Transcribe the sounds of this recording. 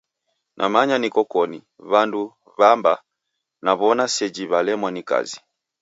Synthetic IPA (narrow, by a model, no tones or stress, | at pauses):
nʔamaɲanikɔkɔni | βandu | βamba | naβɔnasɛd͡ʒiβalɛmwanika̰zi